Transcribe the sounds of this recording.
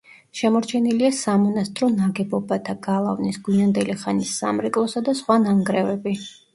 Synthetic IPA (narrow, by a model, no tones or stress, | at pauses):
ʃɛmɔɾt͡ʃʰɛniliasamɔnast̪ʼɾɔnaɡɛbɔbat̪ʰaɡ̥alˠavnisɡuand̪ɛliχanisːa̰mɾɛkʼlˠɔsad̪asχwanaŋɡɾɛvɛbi